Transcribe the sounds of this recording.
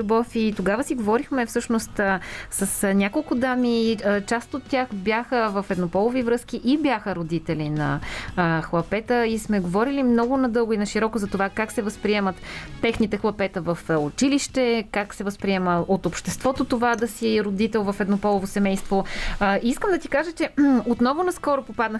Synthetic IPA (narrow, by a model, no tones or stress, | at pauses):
lubɔfit̪oɡavəsiɡovɔɾixmɛfsɤʃnost̪səsnʲakolˠkʊd̪amiət͡ʃast̪ot̪ʲːjaxbʲjaxəvɐfɛd̪nopɔlˠovivɾɤskiʔibjaxəɾod̪it̪ɛlinɐ̰ | xlˠɐpɛt̪əismɛɡovɔɾilimnɔɡʊnɐd̪ɤlˠɡʊinɐʃiɾɔkʊzɐt̪ovakaksɛvəspɾiɛmət̪ːɛxnit̪ɛxlˠɐpɛt̪əvɐfʊt͡ʃiliʃt̪ɛkaksɛvəspɾiɛməot̪opʃt̪ɛst̪vɔt̪ot̪ovad̪ɐsiɾod̪it̪ɛlˠvɐfɛd̪nopɔlˠovosɛmɛjst̪voiskəmd̪ɐt̪ikaʒət͡ʃɛot̪nɔvʊnɐskɔɾopopad̪nə